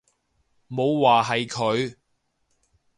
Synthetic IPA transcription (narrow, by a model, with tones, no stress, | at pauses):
mo˨˧wwaː˨ɦɐ˨jkʰɵ˨˧ɥ